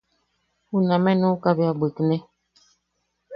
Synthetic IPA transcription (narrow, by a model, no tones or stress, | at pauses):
unãmɛnũkabiabekinɛ